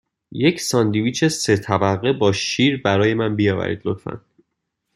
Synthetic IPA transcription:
je̞cʰsɒnd̪iviːt͡ʃʰe̞se̞t̪ʰæbæɣebɒːʃiːɾbæɾɒːje̞mænbijɒːvæ̰ɾḭd̪lot̪fæ̰n

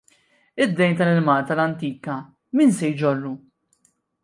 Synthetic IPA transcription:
ɪd̪ːɛjnt̪ɐlɪlmɐːlt̪ɐlɐnt̪iːkɐ | miːnsɛjd͡ʒɔrːu

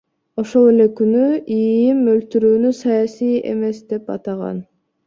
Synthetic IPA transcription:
o̞ʃo̞lˠe̞le̞kynyijimølt̪yɾyːnysɑjɑsije̞̰me̞sd̪e̞pɑ̰t̪ɑʁɑ̰n

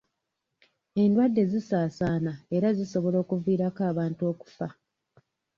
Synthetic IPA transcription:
e̞ndwadːe̞zisaːsaːnae̞ɾaziso̞βo̞lo̞ːkuviːɾakaːβaːntuo̞ːku̥fa

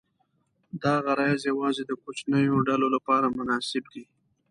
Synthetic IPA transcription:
d̪aɣaɾɑzjawɑzed̪əkot͡ʃnəjoɖalolapɑɾamʊnɑsɪbd̪i

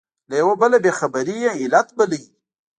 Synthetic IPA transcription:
lajawobəlabexabəɾijeɪlat̪bələɡi

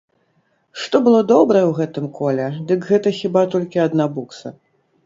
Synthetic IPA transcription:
ʂt̪ɔbɨlˠɔd̪ɔbɾɐjɛwɣɛt̪ɨmkʰɔlʲɛd̪ɨkɣɛt̪ɐxʲibat̪ɔlʲkʲiɐd̪nabuksɐ̰

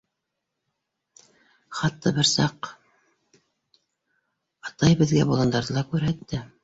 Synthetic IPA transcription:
χɑt̪ːɑbɘɾsɑq | ɑt̪ɑjbɘ̆ðɡæ̰bolˠɑnd̪ɑɾðɤlˠɑkʉɾɦæt̪ːæ

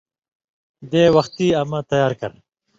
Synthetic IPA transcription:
d̪eːwɐxt̪iɐmɐt̪ɐjaːɾkɐ̰ɾ

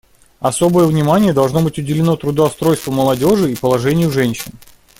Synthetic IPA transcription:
ɐso̞bəjəvnʲɪmanʲɪjəd̪ɐlˠʐno̞bɨtʲʊdʲɪlʲɪno̞t̪ɾʊd̪əɐst̪ɾo̞jst̪vəməlˠɐdʲo̞ʐɨipəlˠɐʐɛnʲɪjʊʐɛnʲɕɪn

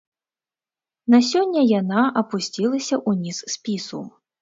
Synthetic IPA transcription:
nasʲɔnʲːɐjanaʔɐpusʲt͡sʲilˠɐsʲɐʔunʲisːpʲisṵ

